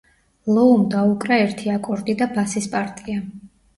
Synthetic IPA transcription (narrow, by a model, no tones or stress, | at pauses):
lˠɔumd̪aukʼɾaɛɾt̪ʰiakʼɔɾd̪id̪abasispʼaɾt̪ʼia